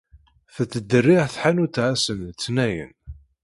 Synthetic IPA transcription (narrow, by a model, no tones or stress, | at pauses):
θət͡sːəd̪ːərːiʁθħanut̪ːʕasənt͡sːnæjə̰n